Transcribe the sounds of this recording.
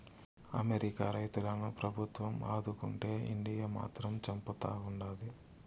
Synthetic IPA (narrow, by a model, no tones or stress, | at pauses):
ɐ̰meɾikaːɾɐjt̪ulɐnupɾɐbʱut̪ʋɐmaːd̪ukuɳʈe̞ːʔḭɳɖijama̰ːt̪ɾɐmt͡ʃɐmput̪a̰ːuɳɖaːd̪i